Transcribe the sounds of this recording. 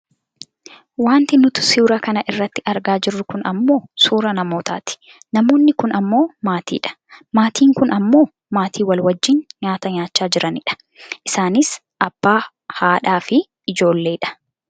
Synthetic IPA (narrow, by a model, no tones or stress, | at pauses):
waːnt̪ɪnʊt̪ʊ̥siːɾakɐnɐʔɪrːɐt̪ːɪʔɐɾɡaːd͡ʒɪrːʊkʊnɐ̰mːo̞ːsuːɾɐnɐmo̞ːt̪a̰ːt̪ɪ̥ | nɐmo̞ːnːɪkʊnɐmːo̞ːmaːt̪ḭːᶑɐ̥ | maːt̪ʰiːŋkʊnɐmːo̞ː | maːt̪ʰiːwɐlwɐd͡ʒːɪnɲaːt̪ɐɲaːt͡ʃːaːd͡ʒɪɾɐnɪᶑɐ̥ | ʔɪsaːnɪs | ʔɐb̥ːaː | haːᶑaːfɪ | ɪd͡ʒo̞ːlːe̞ːᶑɐ̥